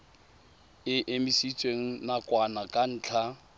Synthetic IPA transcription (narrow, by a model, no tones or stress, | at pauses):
ɪʔɪmisit͡sʼweŋ̩nakʼwanakʼan̩ːt͡ɬʰa